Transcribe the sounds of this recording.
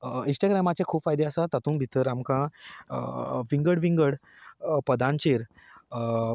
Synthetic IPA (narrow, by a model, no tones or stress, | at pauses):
ĩnsʈaɡɾamat͡ɕẽkʰuːpfajd̪easat̪at̪ũːnbʱit̪əɾamkãəʋĩŋɡəɽʋĩŋɡəɽ | pəd̪ʱãnt͡ɕeɾ